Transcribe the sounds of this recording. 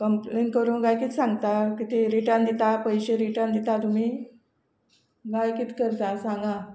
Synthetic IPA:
kəmplenkəɾuːnɡajkit̪ʰsãŋɡt̪akit̪eɾiʈãnd̪it̪apəjɕeɾiʈãnd̪it̪at̪umiː | ɡajkit̪kəɾt̪asãŋɡa

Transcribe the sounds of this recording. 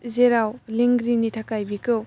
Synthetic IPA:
zeɾawliŋɡɾinitʰakajbikɯw

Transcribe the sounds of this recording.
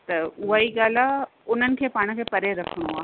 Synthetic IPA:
t̪ɐʊɦaiɠaːl̤aʊn̤ənɪ̆kʰeːpaːɽ̃̆kʰeːpɐɾeɾɐkʰəɽ̃oaː

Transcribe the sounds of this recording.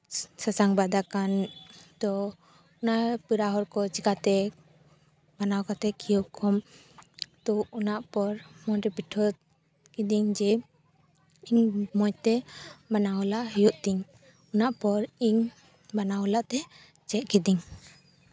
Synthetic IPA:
sasaŋbad̪akant̪ɔ | unaʔpiɾaɦɔɾkɔt͡ʃikat̪ɛ | banawkat̪ɛkʰijɔʔkʰɔm | t̪ɔunaʔpɔɾmɔnɾɛbiʈʰɔ | kid̪iŋd͡ʒɛ | iɲmɔjt̪ɛbanaɔlaʔɦijɔʔt̪iɲ | unaʔpɔɾiɲ | banaɔlaʔt̪ɛ | t͡ʃɛʔ̚kid̪iɲ

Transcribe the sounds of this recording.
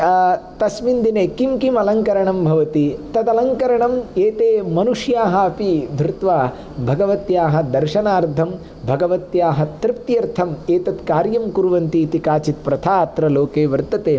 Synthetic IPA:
t̪ɐsmind̪ineːkimkimɐlɐŋkɐɾɐɳɐmbʱɐʋɐt̪it̪ɐt̪ɐlɐŋkɐɾɐɳɐmeːt̪eːmɐnuʂjaːɦɐɐpid̪ʱɾɪt̪ʋaː | bʱɐɡɐʋɐt̪jaːɦɐ̆d̪ɐɾʃɐnaːɾd̪ʱɐm | bʱɐɡɐʋɐt̪jaːɦɐ̆t̪ɾɪp̚t̪jɐɾt̪ʰɐmeːt̪ɐt̪kaːɾjɐmkuɾʋɐnt̪iːt̪ikaːt͡ʃit̪̚pɾɐt̪ʰaːt̪ɾɐloːkeːʋɐɾt̪ːɐt̪eː

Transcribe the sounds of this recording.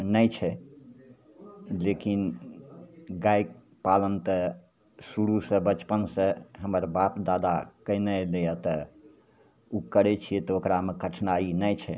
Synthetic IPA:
nəjt͡ʃʰɛ | lekin | ɡajk̚ | palənt̪ə | suɽusə̃bət͡ʃpənsə̃ɦəməɾbapd̪ad̪a̰kəɪnelejət̪ɔ | ukəɾɛt͡ʃʰijɛt̪ɔokɾamekəʈʰnainəjt͡ʃʰɛ̰

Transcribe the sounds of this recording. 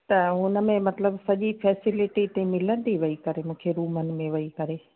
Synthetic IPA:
t̪ɐɦʊnə̆mẽmɐt̪ləbsɐʄipʰɛːsɪlɪʈit̪ẽmɪlənd̪iʋɐikɐɾemũːkʰeɾuːmənɪ̆mẽʋɐikɐɾeː

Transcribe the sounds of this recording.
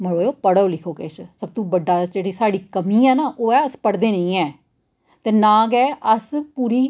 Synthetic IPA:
məɽoːjoːpəɽoːlɪkʰoːkeʃsəb̚t̪ũːbəɖːaːd͡ʒeːɽiːsaːɽiːkəmĩːɛːnaːʔoːɛːəspəɽd̪eːnəĩːɛː | t̪eːnãːɡɛːʔəspuːɾiː

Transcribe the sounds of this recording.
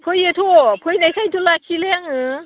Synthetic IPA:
pʰɯjet̪ʰopʰɯjnajkʰajt̪ʰolakʰileaŋɯ

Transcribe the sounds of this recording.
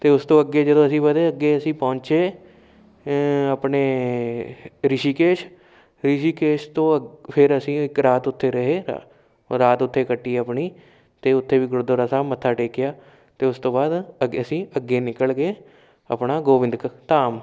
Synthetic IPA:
t̪eːʊst̪õːəɡeːd͡ʒəd̪õːəsĩːbəd̪eːəɡːeːəsĩːpɔ̃ːɲt͡ʃeː | əpɳeː | ɾɪʃiːkeːʃ | ɾɪʃiːkeːʃt̪õːpʰɪɾəsĩːɪkɾaːt̪ʊt̪ʰːeːɾəɦeː | ɾaːt̪ʊt̪ʰːeːkəʈːiːəpɳiː | t̪eːʊt̪ʰːeːʋiːɡɾʊd̪oːɾəsaːmət̪ʰːaːʈeːkːɪjaː | t̪eːʊst̪õːbaːd̪əəsĩːəɡːeːnɪkəlɡeː | ə̰pnaːɡoːʋɪ̃nd̪kt̪aːm

